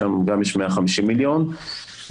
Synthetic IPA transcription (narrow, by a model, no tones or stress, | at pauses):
amɡamjeʃmeaχamiʃimːiljo̞n